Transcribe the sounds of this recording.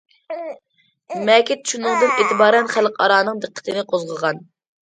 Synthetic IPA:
mɛkʲit̪t͡ʃʰunʊŋd̪ɨneːt̪ɪbɑːɾɛnχælˠqʰɑ̰ɾɑːnɨŋd̪ɨqʰːə̥t̪ʰɨnɪqʰozʁəʁɑn

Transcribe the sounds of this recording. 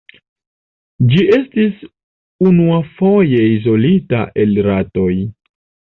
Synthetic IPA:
d͡ʒiʔe̞stis | unuafo̞je̞izo̞lita̰ʔe̞lɾato̞j

